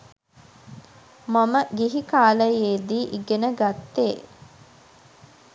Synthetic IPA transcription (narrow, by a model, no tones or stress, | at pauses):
maməɡiɦikaːləjeːd̪iːʔiɡenəɡat̪ːeː